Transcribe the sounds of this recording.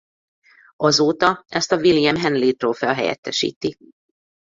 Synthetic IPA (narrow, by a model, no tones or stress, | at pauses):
ɒzoːt̪ɒɛst̪ɒvilijɛmɦɛnliːt̪roːlfɛlɦɛ̰jɛ̰t̪ːɛʃḭːt̪i